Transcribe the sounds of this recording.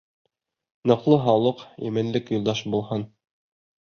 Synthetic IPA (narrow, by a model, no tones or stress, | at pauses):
nɤ̆qlˠɤɦɑwlˠɤqæ̰mɘ̆nlɘkjŏlˠd̪ɑʃbulˠhɑn